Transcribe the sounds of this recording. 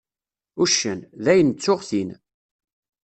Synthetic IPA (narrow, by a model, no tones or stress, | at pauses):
uʃːənðæjənt͡sːʊʁθin